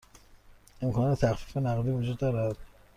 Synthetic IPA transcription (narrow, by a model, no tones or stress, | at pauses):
e̞mkʰɒːnɒːt̪ʰet̪ʰæxfiːfenæɣd̪iːvud͡ʒuːd̪ːɒːɾæd̪̥